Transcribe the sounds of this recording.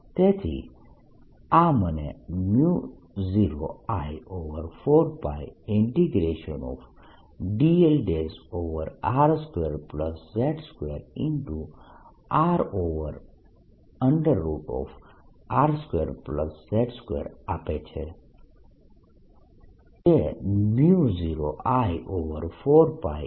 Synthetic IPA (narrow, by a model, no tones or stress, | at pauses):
t̪et̪ʰḭ | amənḛmju | ziɾo̰ajoʋəɾfoːɖ̚bajɪɳʈiɡɾeʃənɔ̰f | ɖielɖesoːʋəɾaːɾskweɾpləsːɛʈskweːɾĩɳʈu | aːɾoːʋəɾ | ə̃ɳɖəɾːuːʈɔ̰ːf | aːɾskweːɾpləsːɛʈskwḛːɾaːpet͡ʃʰe | teniuziːɾoʔaːjʔoːʋəɾfʰoːɾpaːj